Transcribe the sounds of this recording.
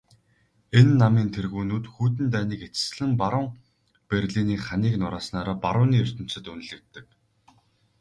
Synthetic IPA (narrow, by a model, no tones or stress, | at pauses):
enːamiːnt̪ʰerɣuːnuːt̪xuːt̪ɘ̆nt̪æːniːket͡sɘ̥̆sɮɘ̆mpaɾʊ̆ːŋ | perʲɮiːniːχaniːknʊɾaːsnaːɾaːpaɾʊːniːɵr̥ʲt̪ɘ̆m̥sɘ̆t̪un̆ɮɘ̆k̚t̪ːɘ̆k